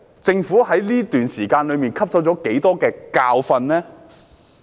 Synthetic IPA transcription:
t͡sɪ˧ŋfu˨˥hɐ˨˥jliː˥t̪yː˨nsiː˨˩kaː˧nlɵ˨˧miː˨nkʰɐ˥p̚sɐ˨˥wt͡ʃɔː˨˥ke˨˥jt̪ɔː˥kɛː˧kaː˧wfɐ˧nlɛː˥

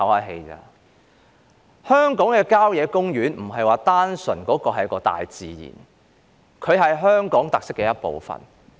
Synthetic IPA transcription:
ɐ˨˥waː˨˩ɦe˧jt͡sa̰ː˧ | hœː˥ŋkɔː˨˥ŋkɛː˧kaː˥wjɛː˨˧kʊ˥ŋjyː˨˥nm̩˨˩ɦɐ˨jwaː˨˩t̪aː˥nsɵ˨˩nkɔː˨˥kɔː˧ɦɐ˨jɐ˥kɔː˧t̪a̰ː˨jt͡siː˨jḭː˨˩n | kʰɵ˨˧ɥhɐ˨jɦœː˥ŋkɔː˨˥ŋt̪ɐ˨k̚sɪ˥kːɛː˧jɐ˥t̚po̰˨wfɐ̰˨˩n

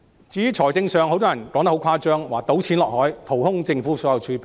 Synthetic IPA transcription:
t͡siː˧jyː˨˥t͡ʃʰɔː˨˩jt͡sɪ˧ŋsœː˨ŋho˨˥wt̪̬ɔː˥jɐ˨˩nkɔː˨˧˥ŋt̪ɐ˥hwkʰaː˥t͡ʃœː˥ŋwaː˨k̚t̪o˨˥wt͡sʰiː˨˥nlɔː˨k̚hɔː˨˥jt̪ʰo˨˩whʊ˥ŋt͡sɪ˧ŋfuː˨˥sɔː˨˥jɐ˨˧wt͡ʃʰyː˨˧˥pi

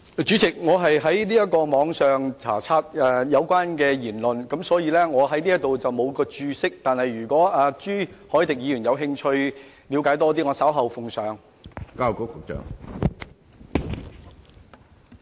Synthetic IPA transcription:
t͡ʃyː˨˥t͡sɪ˨k̚ŋɔː˨˧ɦɐ˨jɦɐ˨˥jniː˥jɐ˥t̚kɔː˧mɔː˨˧ŋsœː˨ŋt͡sʰa̰ː˨˩t͡sʰaː˧t̚ɛ˨˩jɐ˨˧wkʷaː˥nkɛː˧jiː˨˩nlɵ˨nkɐ˨˥msɔː˨˥jiː˧lɛː˥ŋɔː˨˧ɦɐ˨˥jniː˥jɐ˥t̪o˨wt͡sɐ˨wmo˨˧wkɔː˧t͡ʃyː˧sɪ˥k̚t̪aː˨nhɐ˨jɥyː˨˩kʷɔː˨˥aː˧t͡ʃyː˥hɔː˨˥t̪ɪ˨k̚jiː˧jyː˨˩njɐ˨˧wɦɪ˧ŋt͡ʃʰɵ˧ɥ | liː˨˧wkaː˨˥jt̪ɔː˥t̪̬iː˥ŋɔː˨˧sɐ˨˥wɦɐ˨wfʊ˨ŋsœː˨˧ŋ | kaː˧˥wko˨˥wkʰʊ˨˩k̚t͡ʃœ̰ː˨˩ŋ

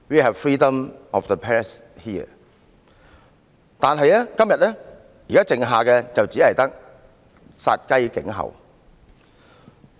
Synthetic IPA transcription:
wiː˨ɦɛ˨vfɹiː˥də˨mɔ˨fðə˨pʰɛ˥ɹɛ˨s | hiː˥ə̰˨ | t̪aː˨nɦɐ˨jɛː˥kɐ˥mjɐ˨t̚lɛː˥ | ji˨kaː˥t͡sɪ˨ŋɦaː˨kɛ˧t͡sɐ˨wt͡siː˨˥hɐ˨˩jt̪ɐ˥k̚ | sa̰ː˧t̚kɐ˥jkɪ̰˨˥ŋɦɐ̰˨w

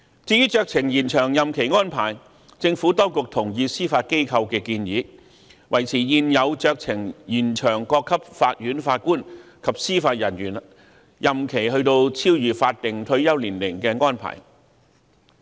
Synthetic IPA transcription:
t͡siː˧˥jy˥t͡ʃœː˧k̚t͡sʰɪ˨˩ŋjiː˨˩nt͡ʃʰœː˨˩ŋjɐ˨mkʰe˨˩jŋɔː˥npʰa̰ː˨˩j | t͡sɪ˧ŋfu˨˥t̪ɔ˥wkʊ˨k̚t̪ʰʊ˨˩ŋjiː˧siː˥faː˧t̚ke˥jkʰɐ˧wkɛː˧kiː˧njiː˨˧˥ | wɐ˨˩jt͡sʰiː˨˩jiː˨˧njɐ˨˧wt͡ʃœː˧k̚t͡sʰɪ˨˩ŋjiː˨˩nt͡ʃʰœː˨˩ŋkɔː˧kʰːɐ˥p̚faː˧t̚jyː˨˥nfaː˧t̚kuː˥n | kʰɐ˨p̚siː˥faː˧t̚jɐ˨˩nɥyː˨˩n | jɐ˨mkʰe˨˩jhɵ˧ɥt̪o˧wt͡sʰiː˥wjyː˨˩faː˧t̚t̪ɪ˨ŋt̪ʰɵ˧ɥjɐ˥wliː˨˩nlɪ˨˩ŋkɛ˧ŋɔː˥npʰa̰ː˨˩j

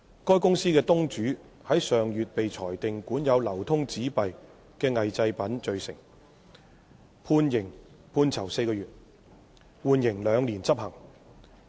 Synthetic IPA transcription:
kɔː˥jkʊ˥ŋsiː˥kɛː˧t̪ʊ˥ŋt͡ʃyː˨˥ | hɐ˨˥jsœː˨ŋjyː˨t̚pe˨jt͡sʰɔː˨˩jt̪ɪ˨ŋkuː˨˥njɐ˨˧wlɐ˨˩wt̪ʰʊ˥ŋt͡siː˨˥pɐ˨j | kɛː˧ŋɐ˨jt͡sɐ˧jpɐ˨˥nt͡ʃɵ˨˧ɥsɪ̰˨˩ŋ | pʰuː˧njɪ˨˩ŋ | pʰuː˧nt͡sʰɐ˨˩wse˧jkɔː˧jyː˨t̚ | wuː˨˧njɪ˨˩ŋlœː˨˧ŋliː˨˩nt͡sɐ˥p̚hɐ˨˩ŋ

